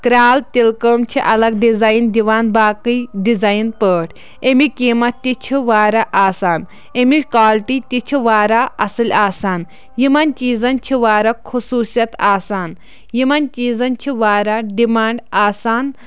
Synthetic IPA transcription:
kɾaːlt̪ilkəːmt͡ʃʰiʔɐlɐɡ̚ɖizaːjnd̪iʋaːnbaːkɨjɖizaːjnpəːʈʰ | emikiːmɐt̪t̪it͡ʃʰiʋaːɾaʔaːsaːn | emikaːlʈit̪it͡ʃʰiʋaːɾaːɐsɨlʲaːsaːn | jimɐnʲt͡ʃiːzɐnʲt͡ʃʰiʋaːɾɐkʰusuːsjɐt̪aːsaːn | jimɐnt͡ʃiːzɐnʲt͡ʃʰiʋaːɾaɖimaːɳɖaːsaːn

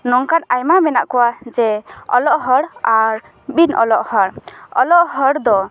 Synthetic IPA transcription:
nɔŋkanajmamɛnaʔkɔwad͡ʒɛɔ̰lɔʔɦəɽaɾ | binɔ̰lɔʔhəɽɔ̰lɔʔhəɽd̪ɔ

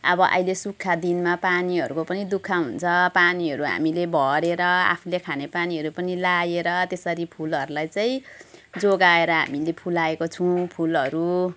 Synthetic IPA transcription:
ʌ̰bʌʔʌ̰jlesukʰːad̪inmapaniɦʌɾukopʌnid̪ukʰːaɦunt͡sʰʌpaniɦʌɾuɦa̰milebʱʌɾeɾʌa̰pʰulekʰanepaniɦʌɾupʌnilajeɾʌt̪esʌɾipʰulʌɾulajt͡saĩd͡zoɡaeɾʌɦa̰milepʰulaekot͡sʰũpʰulʌɾu

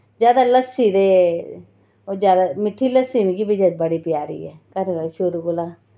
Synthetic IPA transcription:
zjaːd̪aːləsːiːd̪eː | od͡ʒjaːd̪amɪʈʰːiːləsiːnikiːbid͡ʒad̪bəɽiːpɪjaːɾḭːɛːkəɾkəʃʊɾuːɡolaː

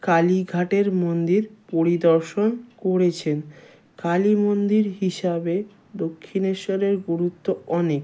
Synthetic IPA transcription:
kaliɡʱaʈeɾmond̪iɾpoɾid̪ɔɾʃonkoɾet͡ɕʰen | kalimond̪iɾɦiʃabe | d̪okʰːineʃɔɾeɾɡuɾut̪ːoɔnek

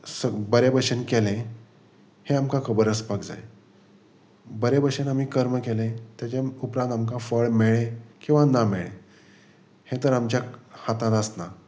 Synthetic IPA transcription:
səbəɾebəɕənkelẽ | hẽamkãkʰəbəɾəspakd͡za̰j | bəɾebəɕənam̤iːkəɾməkelẽt̪jat͡ɕaupɾãnd̪amkafəɭmeɭẽkĩw̃ʋanameɭḛ̃ | hẽt̪əɾamt͡ɕjahat̪ãt̪əsna

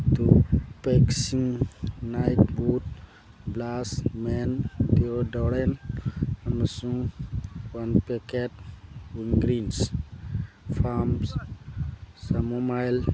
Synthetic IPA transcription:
t̪upeksĩŋnajʈbuʈ | blasmendioɖɔɽen | ɐməsũŋ | wanpekeʈ̚wiŋɡɾins | fʰams | samomajl

